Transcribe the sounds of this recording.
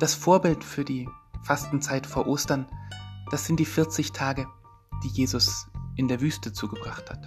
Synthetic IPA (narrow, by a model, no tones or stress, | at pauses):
d̥asfoːɐbɪltfyːɐdiːfastn̩t͡saɪtfoːɐʔoːstɐnd̥asz̥ɪnt̚d̥iːfɪɐt͡sɪçtʰaːɡə | d̥iːjeːzʊsʔɪndeːɐvyːstət͡suːɡəbʁaχthat